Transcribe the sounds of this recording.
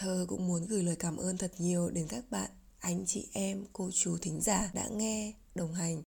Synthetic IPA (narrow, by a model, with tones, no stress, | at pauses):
t̪ʰəː˧kʊ̰˧˥ŋ͡mmu˨˦ənɣɨː˨˩jləː˨˩jkaː˧˩mʔəː˧nt̪ʰə˨˩t̚ɲi˨˩əwɗe˨˦nkaː˦˥k̚ɓa̰ː˧˨n | ʔa˧jŋ̟t͡ɕḭ˧˨ʔɛ˧mko˧t͡ɕu˨˦t̪ʰï˨˦ŋ̟zaː˧˩ɗa̰ː˧˥ŋɛ˧ | ɗə˨˩wŋ͡mɦa˨˩jŋ̟